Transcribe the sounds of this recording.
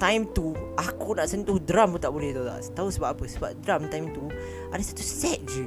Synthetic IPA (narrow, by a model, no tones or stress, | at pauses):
t̪ajmt̪uakunaʔsənt̪uhdɾamut̪aʔbolɛht̪awt̪a̰ʔt̪ausəbapapəsəbap̚dɾamt̪ajmt̪u | ʔadasat̪usɛt̪̚d͡ʒə